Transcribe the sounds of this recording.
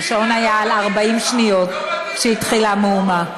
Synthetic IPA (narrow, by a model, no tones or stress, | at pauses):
ʃonajaːlaʁbaimʃnijo̞t̚ | ʃehit̪χilameuma